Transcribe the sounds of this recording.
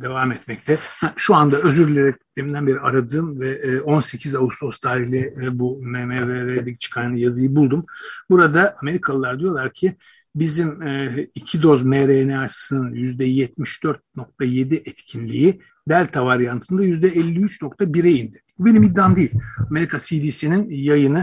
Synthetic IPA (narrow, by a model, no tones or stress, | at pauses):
d̪e̞vaːmɛt̪mɛc̚t̪ʰɛhɛʃuand̪aø̞zyɾlʲeɾɛc̪ʰːemind̪ænbe̞ɾiaɾad̪ɯːmvɛːo̞nse̞cʰizaust̪ʰo̞st̪ʰaːɾihlʲɛbumɛmɛɾeɾed̪ɛt͡ʃʰɯ̥kʰaɾnɯjazɯjɯbulˠd̪umbuɾad̪aʔame̞ɾikʰalˠɯlˠaɾd̪ijo̞lˠaɾcʰɪ | bizimːicʰid̪o̞zmeɾenɛaʃsɯnɯnjyzd̪ɛjɛt̪̚miʃd̪̥øɾt̪̚no̞k̚t̪ʰaje̞d̪iʔɛt̪cʰinʲːḭji | d̪ælʲt̪ʰavaɾjant̪ʰɯnd̪ajyzd̪ɛɛlʲːiyt͡ʃno̞k̚t̪ʰabiɾejind̪ɪbube̞nimid̪ːamd̪ejilʲame̞ɾikʰasid̪iːsininjajɯnɯ